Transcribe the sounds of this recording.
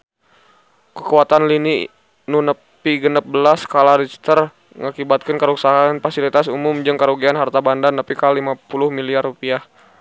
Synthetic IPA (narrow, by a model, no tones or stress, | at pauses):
kəkuat̪anlini | nunəppiɡənəp̚bəlaskalaɾɛd͡ʒist̪ər | ŋakibat̪̚kankəɾuksaɦanfasilit̪asumʊmd͡ʒɨŋkəɾuɡianɦart̪abandanːəpikalimapulʊhmiliarːupiah